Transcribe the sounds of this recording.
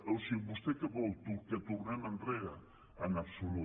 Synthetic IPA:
ewsibust̪ekəβɔlt̪uket̪urnananreɾaː | napsulu

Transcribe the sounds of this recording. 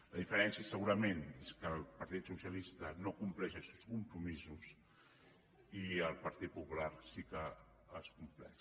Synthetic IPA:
ləðifəɾɛnsiesːəɣuɾəmeneskəpəɾt̪it̪susiəlist̪ənokumplɛʃəlˠsɛwskumpɾumizus | iəlˠpəɾt̪it̪̚pupularsikəː | skumplɛ̰

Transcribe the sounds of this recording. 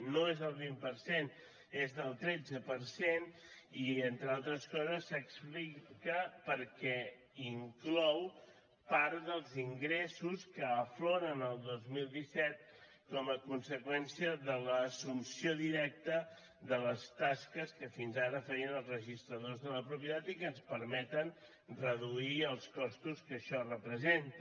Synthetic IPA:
noezðəlˠβimpəɾsen | ezðəlˠt̪ɾɛd͡zəpəɾsen | ient̪ɾalˠt̪ɾəskɔzəsːəksplikəpəɾkɛ | iŋklɔw | paɾðəlˠziŋɡɾesuskəːfloɾənəlˠd̪ozmilˠd̪isɛt̪̚ | kɔməkunsəkwɛnsiəðələːsumsioðiɾɛk̚t̪ə | ðələst̪askəskəfinzaɾəfɛɾiənəlˠzrəʒist̪ɾəðozðələpɾupjiət̪at̪ikənspəɾmɛt̪ən | rəðuiəlˠskɔst̪uskəʃɔrəpɾəzent̪

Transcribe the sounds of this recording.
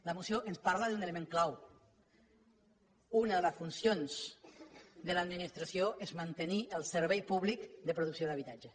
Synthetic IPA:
ləmusjoʔənspaɾləðuneləmẽŋklaw | unəðələsfunsjons | d̪ələd̪minist̪ɾasjoʔezmant̪əniəlˠsəɾβ̞ejpuβlikd̪əpɾuðuksjoðaβit̪ad͡ʒə

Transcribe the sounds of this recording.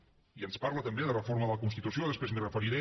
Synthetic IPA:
iənspaɾlət̪əmbeðərəfoɾməðələkunst̪it̪usioðəspɾezmirəfəɾiɾe

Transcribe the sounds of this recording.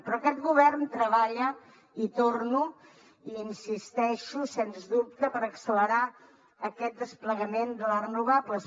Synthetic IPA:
pɾɔkɛt̪ɡuβ̞ɛrnt̪ɾəβaʎə | it̪ornu | iinsist̪ɛʃusenzðup̚t̪əpəɾəksələɾa | əkɛt̪̚d̪əspləɣəmend̪əlarənuβablə

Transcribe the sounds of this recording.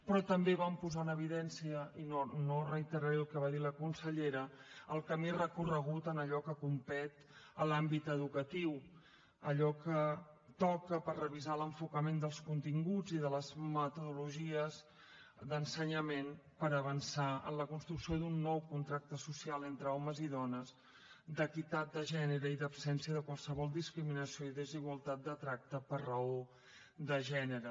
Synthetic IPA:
pɾɔt̪əmbeβampuzanəβ̞iðɛnsiəinonorəjt̪əɾaɾɛəlˠkɛβaðiləkunsəʎeɾəəlˠkəmirəkurəɣ̞ut̪ənəʎɔkəkumpɛt̪ | əlambit̪əðukət̪iw | əʎɔkət̪ɔkəpərrəβizaləɱfukəmend̪əlˠskunt̪iŋɡud͡ziðələzmət̪uðuluʒiəz | d̪ənsəɲəmenpəɾəβənsaə̰nləkunst̪ɾuksioðunːɔwkunt̪ɾak̚t̪əsusialˠent̪ɾəɔməziðɔnəz | d̪əkit̪at̪̚d̪əʒɛnəɾəiðəpsɛnsiəðəkwalˠsəβɔlˠd̪iskɾiminəsijoiðəziɣwəlˠt̪at̪̚d̪ət̪ɾak̚t̪əpərəo | ðəʒɛnəɾə

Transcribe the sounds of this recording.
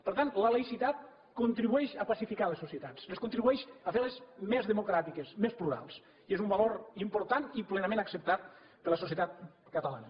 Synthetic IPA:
pəɾt̪ant̪ləlejsit̪at̪̚ | kont̪ɾiβuɛʃapasifikalesːosiet̪at͡seskunt̪ɾiβuɛʃafeɾlezmezðemokɾat̪ikesmespluɾa̰lˠs | iezumbaloɾimpoɾt̪aniplenəmẽnaksəp̚t̪at̪̚ | pəɾləsos̬jet̪at̪̚kət̪ala̰nə

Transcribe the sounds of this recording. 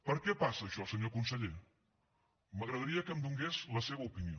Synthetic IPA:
pəɾkɛpasəːʃɔlˠsəɲokunsəʎe | məɣɾəðəɾiəkəmd̪uŋɡezləseβəupinio̰

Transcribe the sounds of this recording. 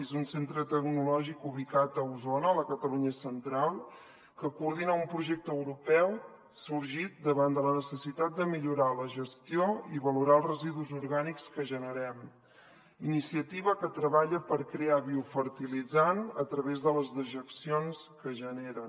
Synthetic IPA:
ezunsent̪ɾət̪əɡnulɔʒikuβ̞ikat̪əuzonəːləkət̪əluɲəsənt̪ɾalˠ | kəkuːɾð̞inaumpɾuʒɛk̚t̪əəwɾupɛw | suɾʒit̪̚d̪əβand̪ələnəsəsit̪at̪̚d̪əmiʎuɾaləʒəst̪ioiβəluɾaəlˠrəziðuzuɾɣanikskəʒənəɾɛm | inisiət̪iβəkət̪ɾəβaʎəpəɾkɾeaβiufəɾt̪ilid͡zanət̪ɾəβezðələzðəʒəksions | kəʒəneɾə

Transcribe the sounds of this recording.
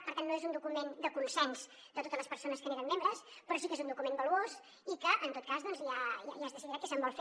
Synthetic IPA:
pəɾt̪anːoezund̪ukumend̪əkunsɛnz̥ | d̪ət̪ot̪əzləspəɾsonəskəneɾəmːembɾəspɾɔs̬ikezund̪ukumembəluos | ikəʔənt̪ot̪kazðɔnzjaja̰jazðəsiðiɾat̪kːəsəmbɔlˠf

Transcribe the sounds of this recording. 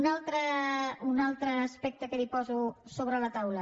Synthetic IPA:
nalˠt̪ɾəunalˠt̪ɾəːspɛk̚t̪əkəlipɔzusoβ̞ɾələt̪awlə

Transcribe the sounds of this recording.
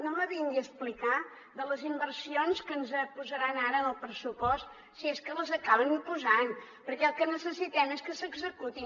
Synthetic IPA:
noməβind̪əsplika | ðələzimbərsionskənzəpuzəɾanaɾəəlˠpɾəsupɔst̪ | sieskələzəkaβənpuzanpəɾkɛlˠkənəsəsit̪ɛmeskəsəɡzəkut̪i

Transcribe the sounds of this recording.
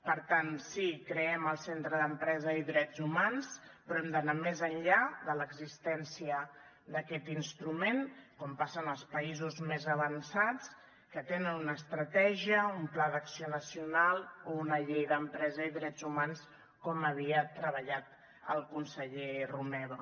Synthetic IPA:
pəɾt̪ansikɾəɛməlˠsent̪ɾəðəmpɾɛzəiðɾɛd͡zumanspɾɔɛmd̪ənamezənʎaðələɡzist̪ɛnsiə | d̪əkɛt̪inst̪ɾumenkɔmpasənəlˠspəizuzmezəβənsat͡s | kət̪enənunəːst̪ɾət̪ɛʒiəumplaðəksionəsiunalˠounəʎejðəmpɾɛzəiðɾɛd͡zumans | kɔməβ̞iət̪ɾəβəʎat̪̚ | ə̰lˠkunsəʎerumɛβo

